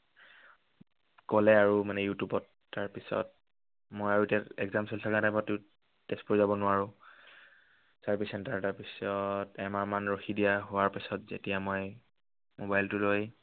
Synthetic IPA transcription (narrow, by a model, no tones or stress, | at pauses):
kɔlɛaɹumanɛjutubɔtːaɹpisɔ̰t̚ | mojaɹutɛɛɡzamsɔltʰakanajpɔtʊ | tɛspɔɹzabɔnʊaɹʊ̃ | saɹpisɛntaɹtaɹpisɔtɛmaɹmanɹoxidijaɦʊwaɹpisɔtzḛtijamoj | mobajltʊloj